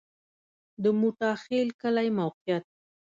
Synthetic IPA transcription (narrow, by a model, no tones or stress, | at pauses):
d̪əmuʈɑxelkəlajmawqijat̪̚